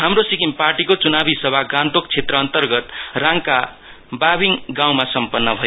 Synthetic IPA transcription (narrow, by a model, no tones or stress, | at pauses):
ɦamrosikimparʈikot͡sunabʱisʌbʱaɡãnd̪okt͡sʰet̪rʌːnt̪ʌrɡʌt̪rãŋka | babiŋɡãw̃masʌmpʌnːʌbʱʌj